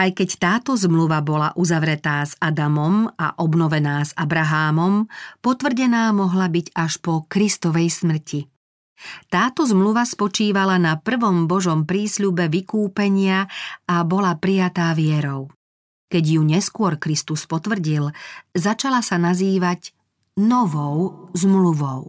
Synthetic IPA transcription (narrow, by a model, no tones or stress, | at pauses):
ajkɛct̪aːt̪ɔzmluʋabɔlaʔuzaʋɾɛt̪aːzad̪amɔma̰ʔɔbnɔʋɛnaːzabɾaɦaːmɔmpɔt̪ʋr̩ɟɛnaːmɔɦlabiɟaʃpɔkɾist̪ɔʋɛjsmr̩cʰi | t̪aːt̪ɔzmluʋaspɔt͡ʃiːʋalanapr̩ʋɔmbɔʒɔmpɾiːsʎubɛʋikuːpɛɲɪaabɔlapɾijat̪aːʋɪɛɾɔʊ | kɛɟjuɲɛskʊɔɾkɾist̪uspɔt̪ʋr̩ɟilzat͡ʃalasanaziːʋaɟ | nɔʋɔʊzmluʋɔʊ